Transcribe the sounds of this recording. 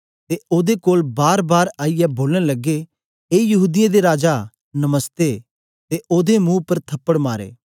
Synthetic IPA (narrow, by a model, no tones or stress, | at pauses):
t̪eʔoːd̪ekoːlbaːɾbaːɾaːijɛboːləɽ̃lɐɡːe | eːjɐɦuːd̪ɪjãd̪eɾaːd͡ʒa | nɐməst̪e | t̪eʔoːd̪emũːpɐɾt̪ʰɐpːəɽmaːɾḛː